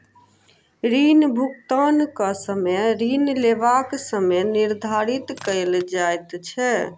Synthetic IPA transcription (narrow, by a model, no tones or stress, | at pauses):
ɾinbʱukt̪ənkəsəmeɾinleʋaksəmɛniɾd̪ʱaɾit̪kəjld͡ʒajt̪t͡ʃʰɛ